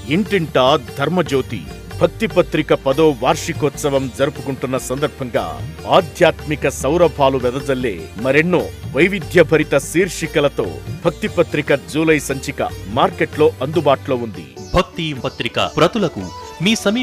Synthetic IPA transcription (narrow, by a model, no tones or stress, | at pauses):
iɳʈiɳʈaːd̪ʱɐɾmɐd͡ʒoːt̪ḭ | bʱɐk̚t̪ipɐt̪ɾikɐpɐd̪oːʋaːɾʂikɔt̪sɐʋɐmd͡ʒɐɾupukuɳʈunːɐsɐnd̪ɐɾbʱɐŋɡa̰ːaːd̪ʱjaːt̪mikɐsɐwɾɐbʱaːluʋɛd̪ɐd͡ʒɐlːeːmɐɾenːoːʋɐjʋid̪ʱjɐbʱɐɾit̪ɐsiːɾʂikɐlɐt̪o̞̰ːbʱɐk̚t̪ipɐt̪ɾikɐd͡ʒuːlɐjsɐɲt͡ʃikɐ̰maːɾkeʈlo̞ːɐnd̪ubaːʈlo̞ːund̪ḭbʱɐk̚t̪ipɐt̪ɾikɐ̰pɾɐt̪ulɐkṵ | miːsɐmi